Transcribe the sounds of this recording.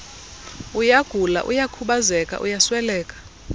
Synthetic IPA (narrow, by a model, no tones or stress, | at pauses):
ujaɡ̥ʱula̰ʔujakʰuɓazɛkʼa̰ʔṵjaswɛlɛːkʼḁ